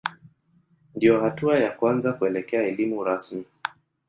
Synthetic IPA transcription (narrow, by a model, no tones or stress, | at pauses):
ndijɔhatuajakwanzakuɛlɛkɛaɛlimuɾasmi